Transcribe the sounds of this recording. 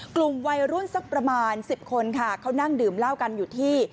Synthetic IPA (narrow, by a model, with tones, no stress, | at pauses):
klu˨˩mwa˧jɾu˥˩nsa˦˥k̚pɾa˧maː˧nsi˨˩p̚kʰo˧nkʰa˥˩kʰa˦˥wna˥˩ŋdɯː˨˩mla˥˩wka˧njuː˨˩t̪ʰiː˥˩